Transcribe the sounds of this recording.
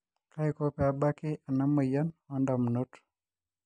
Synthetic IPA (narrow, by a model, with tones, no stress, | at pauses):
ka˦ikopɛ˨a˨ba˦kɪ˦ʔa˨na˦mə˨jɔ˦nɔ˦ndamno˦t